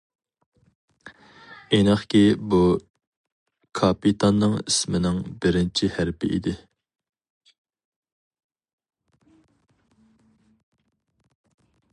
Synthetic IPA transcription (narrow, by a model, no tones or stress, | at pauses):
enɨχkʲibu | kʰɑpit̪ʰɑnːɨŋḭsmɪnɪŋbɪɾɪnt͡ʃʰihæɾpɪʔḭd̪ɪ